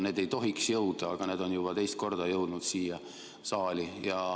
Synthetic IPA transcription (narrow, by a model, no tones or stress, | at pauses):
neːd̪e̞jt̪o̞ɦiksjɤwd̪̥ɑːɡ̥ɑne̞ːd̪o̞njub̥ɑt̪e̞jst̪̚ko̞rd̪ɑjɤwd̪nud̪̥siːjɑ | sɑːlʲijɑ